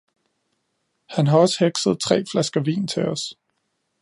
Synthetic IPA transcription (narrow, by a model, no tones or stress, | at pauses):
hænɦɑ̈ɒ̽sə̥heɡ̥səð̞ˠt͡sʰʁɛ̰ːflæsɡ̥ɐʋḭːnt͡sʰeɒs